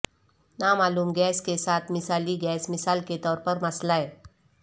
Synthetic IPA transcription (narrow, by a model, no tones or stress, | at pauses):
namaːluːmɡɛskesat̪ʰmisaliːɡɛːsmisalket̪ɔːɾpəɾməslae